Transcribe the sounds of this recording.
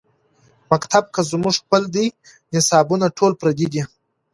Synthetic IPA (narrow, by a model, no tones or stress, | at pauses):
makt̪ʰab̚kəzmʊʐxpəld̪i | nɪsɑbunaʈʰolpɾad̪id̪i